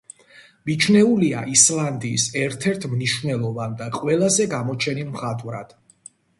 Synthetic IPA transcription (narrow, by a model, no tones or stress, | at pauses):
mit͡ʃʰnɛulia̰ʔislˠand̪iːsɛɾt̪ʰɛɾt̪ʰmniʃwnɛlˠɔvand̪aqʼwɛlˠazɛɡamɔt͡ʃʰɛnimχat̪ʼvɾa̰d̪̥